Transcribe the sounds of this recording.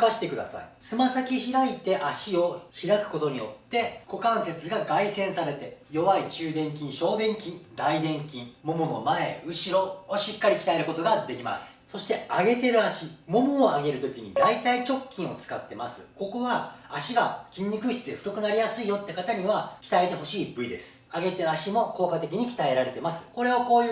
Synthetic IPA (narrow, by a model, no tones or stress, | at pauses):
kaɕi̥t̪e̞kɯ̟d̪a̰sa̰ḭt͡sɨmasakʲiçiɾait̪e̞ʔaɕio̞çiɾakɯ̟̥ko̞t̪o̞ɲ̟ijo̞̰t̪ːe̞kʰo̞kãɰ̃se̞t͡sɨɡaɡaisẽ̞ɰ̃saɾe̞t̪e̞jo̞βait͡ɕɨːd̪ẽ̞ŋk̬ʲĩɰ̃ɕo̞ːd̪ẽ̞ŋkʲĩnd̪aid̪ẽ̞ŋkʲĩɴmo̞mono̞mae̞ɯ̟ɕiɾo̞ːɕikːaɾʲikʲi̥t̪aeɾɯ̟ko̞t̪o̞ɡad̪e̞kʲima̰sɨ̥so̞ɕi̥t̪e̞aɡe̞t̪e̞ɾɯ̟aɕimo̞moːaɡe̞ɾɯ̟t̪o̞kʲiɲ̟id̪ait̪ait͡ɕo̞kʲːĩɰ̃o̞t͡sɨ̥kat̪ːe̞ma̰sɨko̞ko̞βaaɕiɡakʲĩɲ̟ːikɯ̟çi̥t͡sɨd̪e̞ɸɯ̥t̪o̞kɯ̟naɾʲijasɨijo̞t̪ːe̞kat̪aɲ̟iβakʲi̥t̪ae̞t̪e̞ɦo̞ɕiːbɯ̟id̪e̞sɨ̥ | aɡe̞t̪e̞ɾɯaɕimo̞ko̞ːkat̪e̞k̬ʲiɲ̟ikʲi̥t̪ae̞ɾaɾe̞t̪e̞masɨ̥ko̞ɾe̞oko̞ːj